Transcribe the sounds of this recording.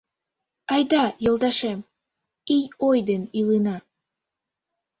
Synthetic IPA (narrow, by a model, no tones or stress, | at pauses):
ɑjd̪ɑjɤ̆lˠd̪ɑʃem | ijojd̪enilˠɯnɑ